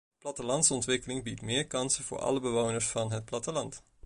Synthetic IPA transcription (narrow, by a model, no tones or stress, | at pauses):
plɑtəlɑntsəɔntʋɪkəlɪŋbitmɪːɹkɑnsəvʊ̰ːɹɑ̰ləbəʋownəɹsfɑnɦət̚plɑtəlɑnt